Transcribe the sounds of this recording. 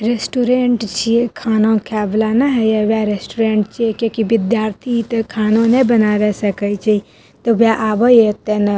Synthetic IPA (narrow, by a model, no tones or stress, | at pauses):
ɾesʈuɾeɳʈt͡ʃiekʰaːnõkʰaːblanɐɦɛjeʋjaɾesʈuɾẽːɳʈt͡ʃiekjõːkiʋɪd̪jaːɾt̪ʰit̪ekʰaːnõnebɐnaːʋesɐkəit͡ʃei | t̪oʋjaʔaːbojet̪enɐ